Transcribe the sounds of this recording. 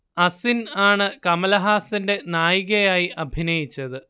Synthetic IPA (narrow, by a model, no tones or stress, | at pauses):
ɐsinaːɳɨkɐmɐlɐɦaːsinde̞naːjiɣɐjaːjiʔɐbʱinɐjit͡ɕːɐðɨ